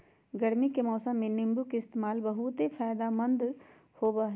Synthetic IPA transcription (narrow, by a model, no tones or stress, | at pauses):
ɡəɾmikemɔːsə̃mːẽnɪ̃mbukɪst̪emaːlbəɦut̪epʰɛːd̪aːmənd̪ | hoːbaːɦ